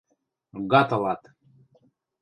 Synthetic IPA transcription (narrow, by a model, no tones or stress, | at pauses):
ɣɑt̪ɤlˠɑt̪